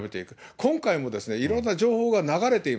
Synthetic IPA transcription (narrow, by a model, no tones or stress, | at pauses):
be̞t̪e̞ikɯ̟kʰõ̞ŋkaimo̞d̪e̞sɨne̞iɾõ̞nːaʑo̞ːho̞ːɡanaɡaɾe̞t̪e̞im